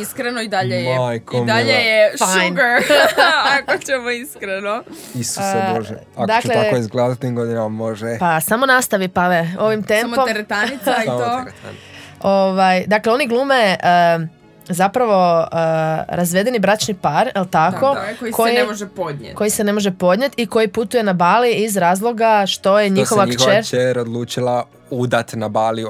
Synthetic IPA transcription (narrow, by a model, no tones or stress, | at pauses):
iskɾenoid̪aʎejmajkoid̪aʎejeʃfajnpeɾ | akot͡ɕemoiskɾeno | issemoʒeakd̪aokt͡ʃelet̪akoizɡled̪at̪iŋɡod̪inammoʒepasamo̞nast̪aʋipaʋeoʋimt̪emppomɾet̪anit̪sait̪o̰n | oʋajd̪akleo̞niɡlˠuːmeə | zapɾaʋo̞əɾazʋe̞d̪e̞nibɾat͡ʃnipaɾjelˠt̪ako̞oikʰojioʒepod̪ɲeko̞jisene̞moʒepo̞d̪ɲe̞t̪iko̞jiput̪uje̞nabaːliizɾaːzlˠo̞ɡaʃt̪o̞jeɲixoʋat͡ʃeɾt͡ʃeɾod̪lˠuːt͡ʃila | ud̪at̪nabaːli